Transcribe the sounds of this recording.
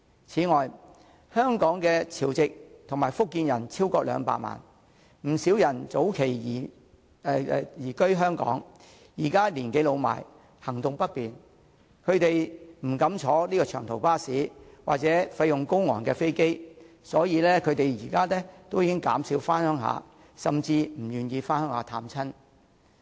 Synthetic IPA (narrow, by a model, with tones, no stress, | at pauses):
t͡sʰiː˨˥ŋɔː˨j | hœː˥ŋkɔː˨˥ŋkɛː˧t͡sʰiː˨˩wt͡sɪ˨k̚t̪ʰʊ˨˩ŋmaː˨˩jfʊ˥kːiː˧njɐ˨˩nt͡sʰiː˥wkɔː˧k̚lœ̰ː˨˧ŋpa̰ː˧˨ma̰ː˨˩n | m̩˨˩siː˨˥wjɐ˨˩nt͡so˨˥wkʰe˨˩jiː˨˩˧ | jiː˨˩kɵ˥ɥɦœː˥ŋkɔ̰ː˨˥ŋ | jiː˨˩kaː˥liː˨˩nke˨˥jlo˨˧wma̰ː˨˩j | hɐ˨˩ŋt̪ʊ˨ŋpɐ˥t̚piː˨n | kʰɵ˨˧ɥt̪e˨jm̩˨˩kɐ˨˧˥mt͡ʃʰɔː˨˥liː˥kɔː˧t͡ʃʰœː˨˩ŋt̪ʰo˨˩wpaː˥siː˨˥wa̰ː˨k̚t͡sɛː˨˥fɐ˧jʊ˨ŋkʊ˥wŋɔː˨˩nkɛː˧fe˥jke˥j | sɔː˨˥jiː˨˧lɛː˥kʰɵ˨˧ɥt̪e˨jjiː˨˩kaː˥lɛː˥t̪o˥wjiː˨˧kʲɪ˥ŋka̰ː˨˥msiː˨˧wfaː˥nhœː˥ŋɦa̰ː˨˧ | sɐ˨mt͡siː˧m̩˨˩jyː˨njiː˧faː˥nhœː˥ŋhaː˧t̪ʰaː˧mt͡sʰɐ˥n